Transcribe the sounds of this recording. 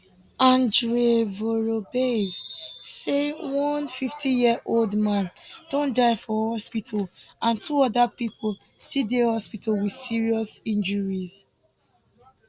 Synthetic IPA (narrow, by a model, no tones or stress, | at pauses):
ãndɹevoɹobevsewɔ̃nfiftʰijiəʔoldmãnd̥õndaɪfɔhɔspitʰɔlʔãntʰuɔdapipol | sidehɔspitɔlwi̥siɹiɔsĩnd͡ʒɔɹiz̥